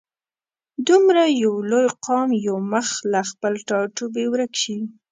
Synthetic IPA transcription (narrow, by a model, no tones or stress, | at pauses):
d̪umɾajawlojqɑmjawməxlaxpəlʈɑʈobewɾakʃi